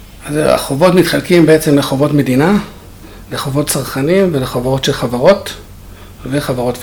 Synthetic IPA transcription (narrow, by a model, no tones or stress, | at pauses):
azea̰χovo̞tmit̪χalkimbeet͡se̞mleχovo̞tme̞dina | leχovo̞tt͡saʁχanimveleχavaʁo̞tʃelχavaʁo̞t | veχavaʁo̞tv